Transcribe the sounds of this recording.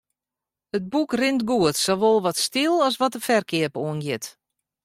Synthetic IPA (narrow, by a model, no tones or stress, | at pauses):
əd̚bukrɪntɡuətsoʋolˠʋɔtstɪlˠɔsʋɔtəfɛrkɪəpoənɡjɪt